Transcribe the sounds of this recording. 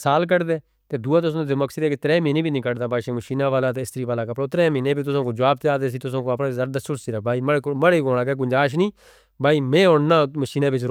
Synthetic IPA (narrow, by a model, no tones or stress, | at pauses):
saːlk̬əɽd̪eː | t̪eːd̪uːãːt̪ʊsõːt̪eːməksəd̪ɛːket̪ɾɛːmiːnẽːbiːnĩːkəɽd̪aːbaːʃẽːməʃiːnãːʋaːlaːt̪̬eɪst̪əɾiːʋaːlaːkəpɽaːʊt̪ɾẽːmiːnẽːbiːt̪̬ʊsõːkoːd͡ʒəʋaːb̚t̪eaːd̪eːsiːt̪ʊsõːkoːpnãːzəɾd̪əsʊɽsiːɾaːk̚baːiːməməɽeːkoːɽaːkɛːk̬ʊd͡ʒaːʃ̬nĩː | bʱaːiːmẽːʊɳnãːməʃiːnãːbɪt͡ʃɾ